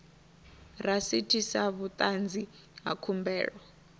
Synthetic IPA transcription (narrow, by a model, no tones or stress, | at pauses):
rasitʰisaβut̪ʼand͡zi | ɦa̰kʰumbɛ̰ːɺwɔ